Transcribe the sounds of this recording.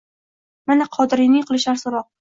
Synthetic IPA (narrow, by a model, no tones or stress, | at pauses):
manaqʰɒd̪ɪɾɪnɪŋqʰɨlˠɪʃaɾsɪɾɒq̚